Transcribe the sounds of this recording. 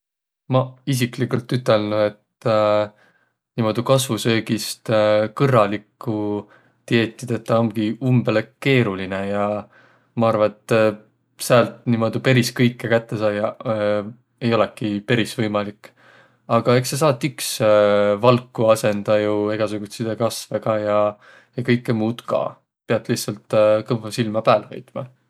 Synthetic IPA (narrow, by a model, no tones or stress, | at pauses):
mɑis̬iklikːult̪ːyt̪ːˑe̞lnue̞t̪ | niːmo̞d̪̥ukɑsvusø̞ːɡist̪kɤrːɑlikːu | t̪ie̞ːt̪ʲːˑid̪̥e̞t̪ːɑomɡ̥iumbeleke̞ːɾuline̞jɑ | mɑɑrvɑet̪ː | sælt̪nimo̞d̪̥upe̞ɾiskɤjkːekæt̪ːe̞sɑːjɑ | e̞jo̞lekːipe̞ɾisvɤjmɑlikː | ɑɡ̥ɑe̞kses̬ɑːt̪ːˑyksvɑlkːˑuɑse̞nd̪ɑjueɡ̥ɑsuɡ̥ut̪sid̪̥ekɑsve̞ɡɑːjɑ | jɑkɤjkːemuːt̪kɑ̰ː | peɑt̪ːˑlihtsɑlt̪ːˑkɤmvɑsilmɑpæːlhɤ̰jt̪mɑ